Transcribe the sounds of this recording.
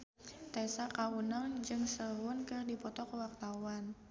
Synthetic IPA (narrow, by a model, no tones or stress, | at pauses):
t̪ɛsakawunaŋd͡ʒɨŋsəɦʊnkərdipɔt̪ɔkəwak̚t̪awan